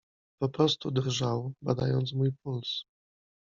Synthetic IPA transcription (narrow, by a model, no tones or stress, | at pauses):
pɔpɾɔst̪ud̪ɾʐawbad̪a̰jɔnt̪s̬mujp̚uls